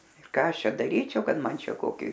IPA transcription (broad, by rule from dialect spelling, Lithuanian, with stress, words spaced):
ɪr ˈkɑː ˈɐʃ ˈt͡ʃʲɛ dɐˈrʲiːt͡ʃʲɛʊ ˈkɐt ˈmɐn ˈt͡ʃʲɛ ˈkoːkʲɪ